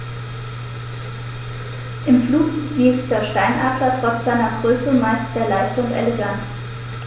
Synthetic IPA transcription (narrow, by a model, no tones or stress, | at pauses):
ʔɪmfluːkvifd̥eːɐʃtaɪnʔaɐklɐtʁ̥ɔt͡sz̥aɪnɐɡʁøːsəmaɪstz̥eːɐlaɪçtʊntḛleɡant